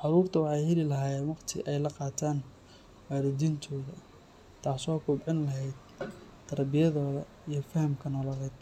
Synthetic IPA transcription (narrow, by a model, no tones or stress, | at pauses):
ʕɑɾuːrt̪ʰɐwɑħɑjhɛlɪlɐɦaːjɛːnwɑqt̪ʰɪ̰ʔɛjlɐqɑːt̪ʰaːn | waːɾɐd̪iːnt̪ʰɔːðɐ | t̪ʰaːsɔːkʰʊbʕɪnlɐɦɛjd̪̚ | t̪ʰɐɾbɪjɐðɔːðɐ | ijɞfɐhɐmkʰɐnɔlɐlɛjd̪̥̚